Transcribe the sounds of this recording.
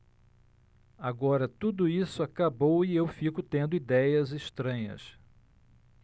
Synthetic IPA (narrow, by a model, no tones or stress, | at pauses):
aɡɔɾɐt̪ud̪ʊisʊakabowiewfikʊt̪ẽnd̪ʊid̪ɛjɐzɪʃt̪ɾɐ̃ɲɐ̰s